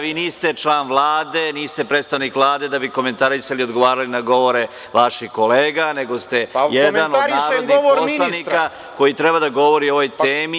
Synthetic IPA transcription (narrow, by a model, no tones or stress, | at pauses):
ʋiːniːst̪e̞t͡ʃlˠaːnʋlˠaːd̪e̞niːst̪e̞pɾeːt̪st̪aʋnikʋlˠaːd̪e̞d̪abiko̞me̞nt̪aɾisaliod̪ɡo̞ʋaːɾalinaɡo̞ʋo̞ɾe̞ | ʋaʃiko̞leːɡane̞ɡo̞st̪e̞jedmanodɾnaːɾod̪niiopomslˠanika | ko̞jit̪ɾebad̪aɡo̞ʋo̞ɾio̞ʋojt̪eːmi